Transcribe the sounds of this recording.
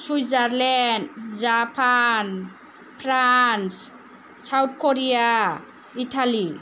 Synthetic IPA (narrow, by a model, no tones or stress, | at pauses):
sujzaɾlɛndzapʰan | pʰɾans | sawt̚ʰkoɾija | iʈʰali